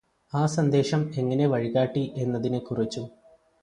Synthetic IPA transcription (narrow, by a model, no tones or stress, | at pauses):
aːsɐnd̪e̞ːʂɐme̞ŋːɐne̞ʋɐɻiɣaːʈːiʔe̞nːɐðinekːurit͡ɕːu